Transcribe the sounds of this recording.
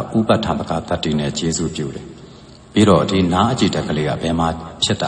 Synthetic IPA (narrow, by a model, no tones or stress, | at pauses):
ʔupatʰãt̪əɡat̪atːinɛ̰t͡ɕezṵpjṵɾɛ | pḭɾɔdinaʔət͡ɕidɛʔkʰəleɡa̰bɛmapʰjɪtːa